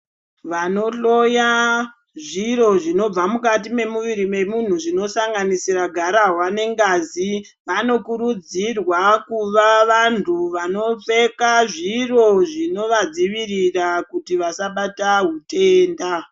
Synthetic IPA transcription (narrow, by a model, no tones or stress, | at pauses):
ʋano̞ɬo̞ja | ʐiro̞ʐino̞b͡vamukatime̞muʋiɾime̞mun̤uʐino̞saŋɡanisiraɡʱaɾaɦwane̞ŋɡazi | ʋano̞kuɾud͡zirwakuʋaʋantʰuʋano̞p͡fe̞kaʐiro̞ʐino̞ʋad͡ziʋirirakutiʋasaɓataɦuteːnda